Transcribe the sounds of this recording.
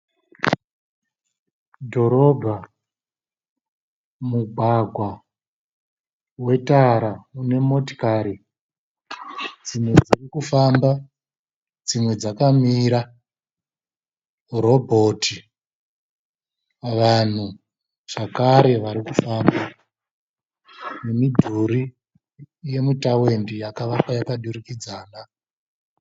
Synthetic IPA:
dʱo̞ɾo̞bʱa | muɡʱwaɡʱwa | we̞taɾaune̞mo̞ti̥kaɾi | d͡zimwe̞d͡zirikufamba | d͡zimwe̞d͡zakamiːɾa | ɾo̞bʱo̞ːtʰi | ʋan̤u | ʐ̥akaɾe̞ʋaɾikufamba | nemidʱuɾi | je̞mitawe̞ndijakaʋapajakaɗuɾikid͡zaːna

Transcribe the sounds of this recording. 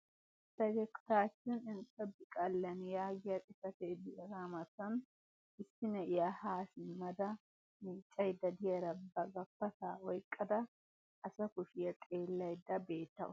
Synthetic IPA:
sɐd͡ʒɛkt̪aːt͡ʃːɪnɪnt͡sʼːɐbɪkʼɐlːɐnjaːɡɪjɐt̪ʼɪsɐt̪ed̪ɪɛɡamɐt̪ːɐn | ɪsːɪnɛʔɪjahaːsɪmɐd̪ɐ | miːt͡ʃʼːɐjd̪ːɐd̪ɪjɐɾɐbɐɡɐfːɐt̪aːwɔjkʼːɐd̪ɐ | ʔːsɐkʊʃɪjɐt̪ʼe̞ːlːɐjd̪ːɐbe̞ːt̪ːɐ̰ʔʊ̰

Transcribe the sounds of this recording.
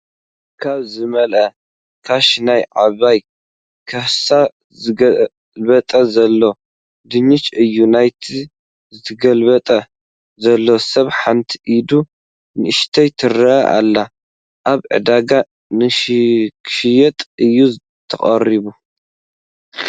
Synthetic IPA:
kʰaβzɨmɐlʔɐ | kʰaʃnajʕaβaj | kʰɐhsa | zɨɡɐ | lβɐt̪ʼɐzɐlːo̞ | d̪ɨɲɪt͡ʃɨjːunajt̪ʰi | zɨt̪ʰɐɡɐlbɐt̪ʼɐ | zɐlːo̞sɐβħant̪ʰiʔid̪u | nɨʔɨʃt̪ʰɐjt̪ʰɨɾɐʔɐ̰ʔa̰lːa | ʔaβʕɨ̰d̪aɡa | nɨkʰʃɪjɛt̪ʼɨjːu | t̪ʰɐχʼɐ̰ɾiβu

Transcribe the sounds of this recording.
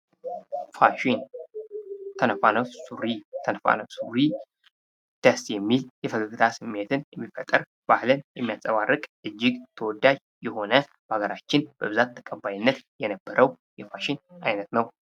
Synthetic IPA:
faʃin | t̪ʰənəfa̰nəsuɾit̪ʰənfa̰nəsuɾi | d̪̥əsjɛmːiljɛfəɡɨɡɨt̪ʰasɨmːe̞t̪ʰɨnjɛmːifət̪ʼːəɾ | b̥ahlənjɛmːijasʼəβarːɨkʼʔɨd͡ʒːɪɡt̪ʰəwɔd̪ːad͡ʒ | jɛho̞nəbaɡəɾat͡ʃːɪnb̥əβɨzat̪ʰːə̥kʼəbajnːət̪jɛnəbːəɾʔəw | jɛfaʃɪnajnət̪nəw

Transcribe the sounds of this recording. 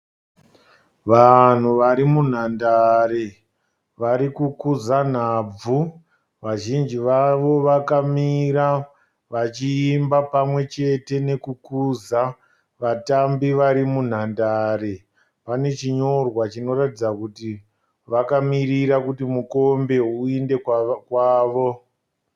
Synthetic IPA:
ʋan̤uʋaɾimun̤andaɾe | ʋaɾikukuzan̤aːb͡vu | ʋaʒind͡ʒiʋaʋo̞ʋakamiɾa | ʋat͡ʃiːmbapamwe̞t͡ʃe̞te̞ne̞kukuza | ʋatambiʋaɾimun̤andaɾe | pane̞t͡ʃiɲo̞rwat͡ʃino̞ratid͡zakuti | ʋakamiriɾakutimuko̞mbe̞uinde̞kwaːʋo̞

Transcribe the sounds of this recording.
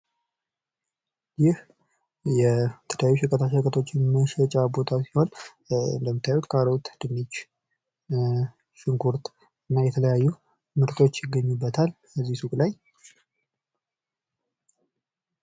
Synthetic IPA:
jɪh | jɛt̪ʰəljajuʃɛkʼət̪ʰaʃkʼət̪ʰo̞t͡ʃːɪməʃɛt͡ʃʼabo̞t̪ʰasiho̞n | ɨ̰nd̪əmːɨt̪ːajut̪kʼaɾəwut̪d̪̥ɨmit͡ʃ | ʃɪŋkʰuɾt̪ | ɨnːajɛt̪ʰələjajːu | mɨɾt̪ʰo̞t͡ʃːjɪɡəɲːubːət̪ʰal | bəzːisukʼlaj

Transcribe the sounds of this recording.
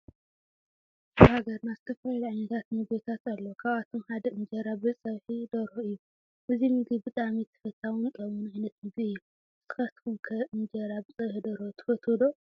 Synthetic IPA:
bɨhaɡɐɾnazɨt̪ʰɐfɐllʕajnɐt̪ʰat̪nɨbet̪ʰat̪alːokʰaβat̪ʰomħad̪ɐɨnd͡ʒɐɾabɨsʼɐβħid̪ɐɾhoɨjːu | ʔɨzimɨɡibɨt̪ʼamit̪ʰːɨ̥fɐt̪ʰːawɨnkʼɐmunʕajnɐt̪mɨɡliɨjːu | zɨt̪ʰɨ̥xɐt̪fumkʰɐʔɨnd͡ʒɐɾabɨsʼɐβħid̪ɐɾhot̪ʰɨ̥fɐt̪ʰod̪o

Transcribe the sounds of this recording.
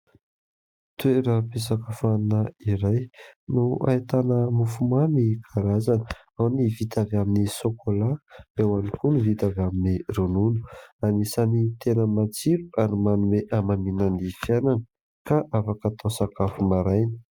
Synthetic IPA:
t̪ueɾəpesakəfannəiɾajnua̰it̪anəmufumamikʰaɾazanə̥ | awnivit̪avaminisokʰolaewanikʰunuvit̪avaminirununu̥anisanit̪enəmat͡siɾuaɾimanumeʔamaminanifjananə | kaʔafakat̪ʰasakafumaɾajnə̥

